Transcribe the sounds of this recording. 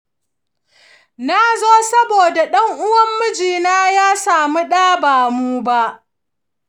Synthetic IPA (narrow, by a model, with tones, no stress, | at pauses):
na˦zoː˦sɐ˦boː˨da˨ɗɐ˦ŋʔʊ˦wɐ˦mːʊ˦d͡ʒiː˨naː˦jaː˦saː˨mu˦ɗaː˦baː˨muː˦ba˦ʔ